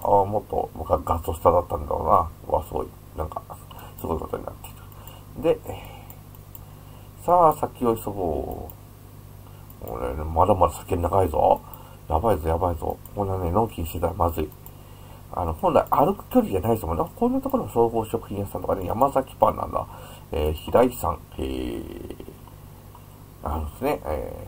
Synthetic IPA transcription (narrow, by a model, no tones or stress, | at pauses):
amo̞t̪ːo̞̰bɡaɡat͡sɨost̪ad̪at̪ːãnd̪a̰ɾo̰ːnaβa̰sɨɡo̰ḭ | nã̰ŋkasɨɡo̞ikot̪o̞̰ɲ̟ḭna̰t̪ːe̥i̥ɾɯ̥ | d̪e̞ | sasakʲioisoɡo | ḛnmad̪amad̪asḁkʲennaɡaizo̰ | jabaizojabaizo̰kõnːanenõ̞ŋkʲiɲiɕi̥t̪e̞t̪aɾamazɨi | a̰no̞hõ̞nda̰iʔaɾɯkɯ̟̥kʲo̞ɾʲiʑanaisomonkõ̞nːat̪oko̞ɾomoso̞ːɡo̞ːɕɕo̞kɯ̟̥çĩjast̪ːãt̪okaneja̰mazakʲi̥pãnã̰nd̪̰a̰ | eːçiɾaisã̰ŋ | ḛː | aɾɯ̃nesneʔḛː